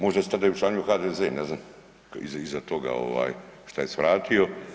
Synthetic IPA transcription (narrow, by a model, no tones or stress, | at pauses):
mo̞ʒd̪ast̪ad̪ajut͡ʃlaːɲujuxaːd̪ezeːnɛznam | kḭzaizat̪o̞ɡa̰o̞̰ʋa̰ːjʃt̪aje̞sʋɾaːt̪ʰio̞